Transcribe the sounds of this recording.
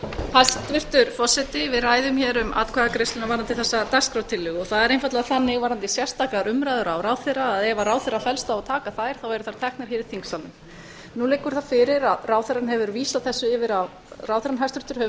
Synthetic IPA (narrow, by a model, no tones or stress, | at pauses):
hast̪vɪr̥t̪ʏɾfɔ̥sːɛt̪ɪvɪðraːjðʏmçɛːɾʏma̰ːt̪kʰvɛɣakɾɪst̪ʏnavaɾant̪ɪlθɛsːat̪askɾawt̪ʰɪlːʏɣɔɣθaðɛɾejnfat̪laðaθanːɪɣvaːɾant̪ɪsjɛ̥st̪aːklaɾʏmɾajðʏɾawɾaːwθɛɾaːðɛvaraːwθɛrːafɛlst̪aɔt̪ʰaːkaθajɾ̥θawɛɾʏθaɾ̥t̪ʰɛhknaɾ̥ɦɪːɾɪ̥θiŋksanʏm | nulɪːkʏɾ̥θaðfɪɾɪɾaðraːwθɛɾanhɛvʏɾviːsaθɛsːʏɪːvɪɾa | raːwθɛɾanɦast̪vɪ̥ht̪ʏɾ̥hɛ